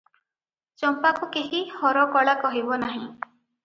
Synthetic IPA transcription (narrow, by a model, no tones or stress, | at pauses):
t͡ʃɔmpakukeɦihɔɾɔkɔɽakɔɦibɔnaɦĩ